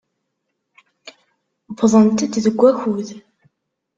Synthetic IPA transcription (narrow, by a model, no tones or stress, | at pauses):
bðˤənt̪iðəɡʷːæçuð